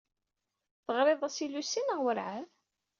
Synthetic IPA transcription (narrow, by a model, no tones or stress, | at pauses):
θəʁɾeðˤæsilusinəʁwəɾʕað